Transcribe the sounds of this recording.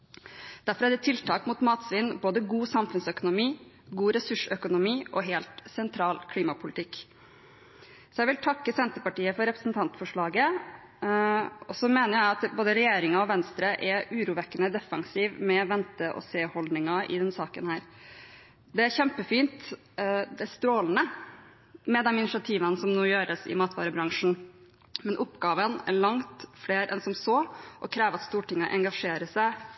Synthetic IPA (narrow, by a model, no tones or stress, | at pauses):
d̪̥æɾfɔɾæɖɛt̪ʰɪlt̪ʰɑːkmʊt̪mɑːt̪sʋɪnːboːd̪əɡuːsɑmfʉnsœkʊnʊmiː | ɡuːɾɛsʉʂœkʊnʊmiːʔɔɦeːlt̪sɛnt̪ʰɾɑːlkʰliːmɑpʰʊlɪt̪ʰɪkː | sɔjæʋɪlt̪ʰɑkːəsɛnt̪əpɑʈiːəfɔɾɛpɾəsn̩t̪ʰɑnt̪fɔʂɭɑːɡə | ɔsɔmeːnəɾjæɪɑt̪boːd̪əɾɛjeːɾɪŋɑɔʋɛnst̪ɾəʔɛɾʔʉːɾuːʋɛkːənəd̪ɛfɑ̰ŋsiːʋmɛʋɛnt̪əʔɔ̰seːhɔld̪nɪŋɑʔɪ̰d̪ɛnsɑːkənhæːɾ | d̪ɛæɾçɛmpəfiːnt̪ | d̪ɛst̪ɾoːlnə | mɛd̪ɛnɪnɪʂɪɑt̪ʰiːʋənsɔmnoːjøːɾəsɪ̰mɑːt̪ʰʋɑ̰ːɾəbɾɑŋʂɳ̩ | mɛnʔʊpːɡɑːʋənæ̰ɾɭɑŋt̪fleːɾʔɛ̰nsɔmsoːʔɔkʰɾeːʋəɾɑt̪st̪uːʈɪŋɑʔɛŋɡɑʂeːɾəsæɪ